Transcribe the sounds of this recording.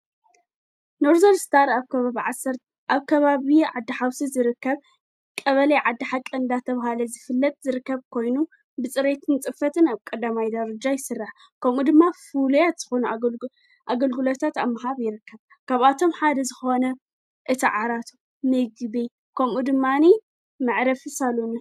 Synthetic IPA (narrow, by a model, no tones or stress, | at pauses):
noɾzolst̪ʰaɾaβkɐaβiʕasːɐɾt̪ | ʔaβkʰɐβaβiʕad̪ːɨħawsizɨɾɨkːɐβ | kʼɐβɐlɐjʕad̪ːɨħakʼɨnd̪at̪ʰɐβahalɐzɨfɨlːɐt̪̚ʼzɨɾɨkːɐβkʰo̞jnu | bɨt͡sʼɨɾet̪ʰɨnt͡sʼɨfɐt̪ʰɨnaβkʼɐd̪amajd̪ɐɾɐd͡ʒajɪsɨrːaħ | kʰɐmud̪ɨmːafulujat̪z̥ɨxo̞nu | ʔaɡɐlɡɨlot̪ʰat̪amːɐɦaβjɪɾɨkʰːɐβ | kʰaβat̪ʰo̞mħad̪ɐzɨxo̞nɐ | ʔɨt̪ʰiʕaɾat̪ʰu | mɨɡɨbi | kʰɐmud̪ɨmːani | mɨʕɾɐfɨsalun